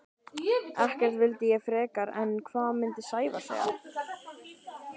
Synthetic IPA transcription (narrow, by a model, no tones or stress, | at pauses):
ɛhcɛɾ̥t̪vɪlt̪ɪjɛɣfɾɛːkaɾɛ̰nkʰvaːðmɪnt̪ɪsaːjva̰sɛ̰ːɣa̰